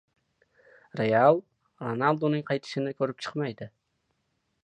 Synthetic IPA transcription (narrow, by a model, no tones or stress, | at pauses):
ɾealˠ | ɾonalˠd̪onɪŋqʰɑjt̪ʰɪ̥ʃɪnɪkʲʰɵɾɪp̚t͡ʃʰɨ̥qmajd̪ɪ